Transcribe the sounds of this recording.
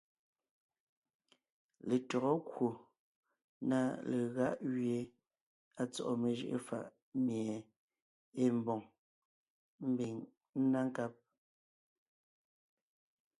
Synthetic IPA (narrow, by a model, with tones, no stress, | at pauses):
le˨tɔ˨ɣɔ˦kwo˨ | na˦le˨ɣa˦ʔɣɥje˨ | a˨t͡sɔ̰˨ʔɔ˨me˨ʒɯ̰˦˨ʔḛ˦˨fa̰˦˨ʔ | mje˨ | e˦m˨bɔ˨ŋ | m̩˦bi˨ŋ | n̩˦na˦ŋ˦ka˦p̚